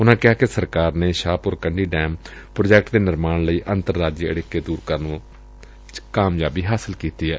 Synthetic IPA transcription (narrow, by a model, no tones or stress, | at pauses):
ʊnãːkɪɦaːkesəɾkaːɾneːʃaːpʊɾkəɳɖiːɖɛːmpɾoːd͡ʒɛːk̚ʈd̪eːnɪɾmaːnləiːʔənt̪əɾːaːd͡ʒjəəɽɪkːeːd̪uːɾkəɾn | kaːmjaːbiːɦaːsəlkiːt̪iːɛː